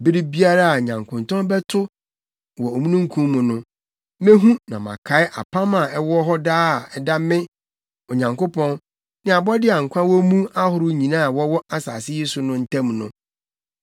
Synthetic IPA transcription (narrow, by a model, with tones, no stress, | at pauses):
bɪ˦ɾi˦bi˦a˦ɾa˦a˨ɲã˨ŋkʰʊ̃˨n˨tʰɔ̃˦bɛ˦tʰʊ˦ | wɔ˨o˨mũ˦nũ˦ŋ̩˦kʰũ˦mmʊ̃˨nʊ̃˦ | mẽ˦ɦũ˦nã˨mã̰˨kʰa˨˦ɪ˦ʔa˨pʰã˦mã˨ɛ˦wɔ˦ɦɔ˦daː˦a˨ɛ˨da˦mɪ̃˦ | ɔ˨ɲã˨ŋko˦pʰɔ̃˦n | nɪ̃˦a˨bɔ˦dɪ˦a˨ŋ̩˨kʷʰã˦wɔ˦mũ˦a˦hʊ˨ɾʊ˦ɲĩ˨nã˦˨wɔ˦wɔ˦a˦saː˨sɪ˦je˦sʊ˨nʊ̃˦n̩˦tʰã˦mnʊ̃˦